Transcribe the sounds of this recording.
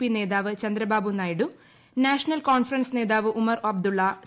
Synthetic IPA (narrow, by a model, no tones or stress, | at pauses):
pine̞ːd̪aːʋɨt͡ɕɐnd̪ɾɐbaːbʱunːaːjiɽu | naːʂɐnɐlkoːnfɾrɐnsne̞ːd̪aːʋɨʔumɐroɐb̚d̪uɭːɐ